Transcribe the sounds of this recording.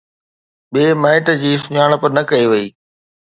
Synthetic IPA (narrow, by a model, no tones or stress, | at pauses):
ɓeːmɛːʈd͡ʑiːsʊɲaːɽ̃pɐɾnɐkɐiʋɐiː